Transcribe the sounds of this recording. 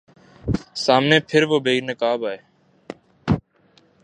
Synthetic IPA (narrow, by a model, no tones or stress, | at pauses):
saːmneːpʰɪɾʋoːbeːinəkaːbaːɦeː